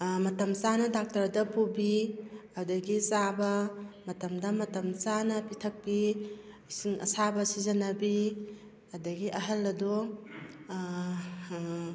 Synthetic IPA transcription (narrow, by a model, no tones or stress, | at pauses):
mɐtɐmsanɐdak̚tɐɾdɐpubiadɐɡisabɐmɐtɐmdɐmɐtɐmsanɐpitʰɐk̚pi | siŋɐ̰sabɐsizɐnɐbi | ɐdɐɡiʔɐɦɐlɐdu